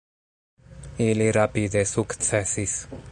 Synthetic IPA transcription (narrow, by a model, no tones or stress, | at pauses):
iliɾapid̪esukt̪sʰɛsis